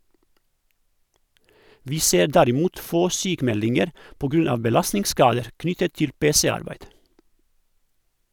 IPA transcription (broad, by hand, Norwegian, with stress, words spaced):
ˈʋiː ˈseːɾ ˈdæɾɪˌmuːt ˈfoː ˈsyːkˌmɛlɪŋəɾ ˈpoː ˈɡɾʉn ˈɑːʋ bəˈlɑsnɪŋˌskɑːdəɾ ˈknʏtət ˈtɪl ˈpeːsɛˌɑɾbæɪd